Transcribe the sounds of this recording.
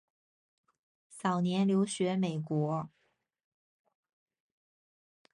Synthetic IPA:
sɑ˨˩ʊnjɛ˧˥nljo˧˥ʊɕɥɛ˧˥me˨˩ɪkwɔ˧˥

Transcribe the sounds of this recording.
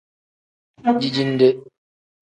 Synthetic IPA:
d͡ʒi˦˨d͡ʒi˦n̩˦de˦

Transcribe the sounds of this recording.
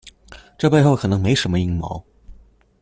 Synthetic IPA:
ʈ͡ʂɤ˥˧pe˥˧ɪxo˥˩ʊkʰɤ˨˩nɤ˧˥ŋme˧˥ɪʂə˧˥nmə˧i˥˩ŋmɑ̰˧˥ʊ

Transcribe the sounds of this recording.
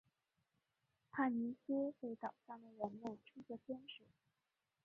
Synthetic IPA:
p̪ʰa˥˩ni˧˥sɛ˥pe˥˩ɪt̪ɑ˨˩ʊʂɑ˥˩ŋd̪ə˩ɻə˧˥nmə˥˩ʈ͡ʂʰu˥t͡ɕə˥˩pjɛ˥nʂu˨˩˦

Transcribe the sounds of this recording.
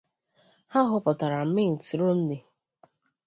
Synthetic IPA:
ha˦ɦʊ˦pɔ˨ta˨ɾa˨m̩˦mɪ˦n̩˨ti˨ɾo˦m̩˦dɪ˨

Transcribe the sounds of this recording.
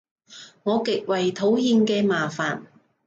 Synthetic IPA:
ŋɔː˨˧kɪ˨k̚wɐ˨jt̪ʰo˨˥whiː˧nkɛː˧maː˨faː˨n

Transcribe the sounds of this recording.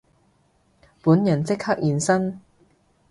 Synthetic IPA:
puː˨˥njɐ˨˩nt͡sɪ˥k̚hɐ˥k̚jiː˨nsɐ˥n

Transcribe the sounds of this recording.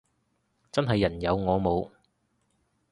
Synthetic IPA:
t͡sɐ˥nɦɐ˨jːɐ˨˩njɐ˨˧wŋɔː˨˧mo˨˧w

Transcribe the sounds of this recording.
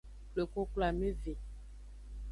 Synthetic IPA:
lo˨ko˦kla˨me˦vi˨

